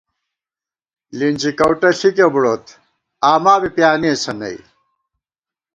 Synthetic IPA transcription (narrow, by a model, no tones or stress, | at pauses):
linʲd͡ʑikɐwʈɐɬikebuɽoːt̪ | aːmaːbipjaːnisɐnɐ̰i